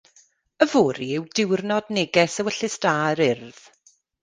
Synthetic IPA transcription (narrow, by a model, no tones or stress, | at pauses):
əvoːɾiɪwdɪwrnɔdnɪɡɛsəwəɬɪstaːɾɪrð̥